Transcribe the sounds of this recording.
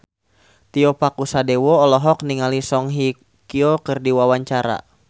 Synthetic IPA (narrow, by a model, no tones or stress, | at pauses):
t̪iɔpakusadewɔːlɔɦɔk̚niŋalisɔŋɦi | kiɔkɨrdiwawaɲt͡ʃaɾa̰